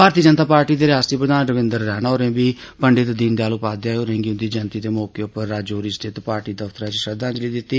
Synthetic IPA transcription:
bʱaːɾt̪iːd͡ʒənt̪aːpaːɾʈiːd̪eːɾɪaːsiːpɾəd̪aːnɾəʋɪ̃nd̪əɾːɛːnaoːɾẽːbiː | pəɳɖɪt̪d̪ind̪eaːlopaːd̪jaːoːɾẽŋɡiʊ̃nd̪iːd͡ʒənt̪iːd̪eːmoːkeːʊpəɾːaːd͡ʒoːɾist̪ʰɪt̪paːɾʈiːd̪əft̪əɾãːt͡ʃʃəd̪ãːd͡ʒliːd̪ɪt̪ːiː

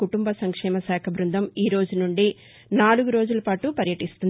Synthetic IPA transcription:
kuʈumbɐsɐŋkʂɛːmɐsaːkʰɐbɾund̪ʱɐmiːɾo̞ːd͡ʒunuɳɖi | naːluɡuɾo̞ːd͡ʒulɐpaːʈupɐɾjɐʈist̪und̪

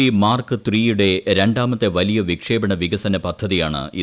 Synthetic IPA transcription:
imaːrkɨt̪riːjuɽe̞ɾe̞ɳɖaːmɐt̪ːeʋɐlijɐʋikʂe̞ːbɐɳɐʋiɣɐsɐnɐpɐd̪ʱːɐðijaːɳɨ̰ʔḭ

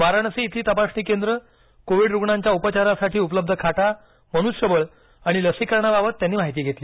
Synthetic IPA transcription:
ʋaɾanəseit̪ʰiːt̪əpasɳiːkend̪ɾə | koʋiɽɾuɡɳãɲt͡ɕjaupət͡ɕaɾasaʈʰiːupləb̚d̪ʱəkʰaʈa | məñusɕəbəɭ | aɽ̃iləsikəɾɳabaʋət̪ːjanːiːm̤aɦit̪iːɡʱet̪liː

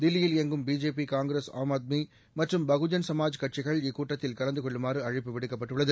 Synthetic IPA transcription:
d̪ɪlːɪjɪlɛŋɡɯmbiːd͡ʒeːp̬ikaːŋɡɾesa̰ːmaːd̪̚mi | mɐʈrɯmbɐɣɯd͡ʒɐnsɐmaːd͡ʒkɐʈ̚t͡ʃɪɣɐɭɪkːuːʈːɐt̪ːɪlkɐlɐnd̪ɯkɔɭːɯmaːɾɯɐɻɪpːɯʋɪɽɯkːɐpːɐʈːɯɭːɐðɯ

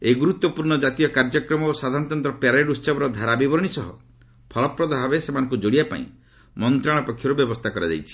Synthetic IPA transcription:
eɡuɾut̪wɔpuɾɳɔd͡ʒat̪ijɔkaɾd͡ʒɔkɾɔmɔosad̪ʱaɾnt̪ɔnt̪ɾɔpaɾeɖusɔbɔɾɔd̪ʱaɾabibɔɾɔɽ̃isɔɦɔ̰ | pʰɔlɔpɾɔd̪ʱababesemanɔ̃ŋkud͡ʒoɽiapa̰ḭ̃ | mɔnt̪ɾaɭ̃ɔpɔkʰjɔɾubjɔbɔst̪ʰakɔɾad̪ḛjt͡ʃʰi̥

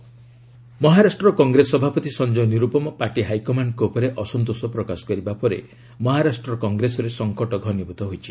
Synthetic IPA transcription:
mɔɦaɾasʈɾɔkɔŋɡɾesɔbʱapɔt̪isɔnd͡ʒɔniɾupɔmɔpaɾʈiɦajkɔmankoupɔɾeʔɔsɔnt̪osɔpɾɔkasɔ̥kɔɾibapɔɾḛ | mɔɦaɾasʈɾɔkɔŋɡɾesɔɾesɔŋkɔʈɔɡʱɔnibɔt̪ɔɦojt͡ʃʰi

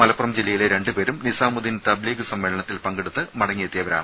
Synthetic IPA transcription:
mɐlɐpːurɐmd͡ʑilːɐjileɾe̞ɳɖɨpeːɾumnisaːmud̪int̪ɐbliːɡɨsɐmːeːlɐɳɐt̪ːilpɐŋɡeɽut̪ːɨmɐɽɐŋːiet̪ːijɐʋɐɾa̰ːɳɨ

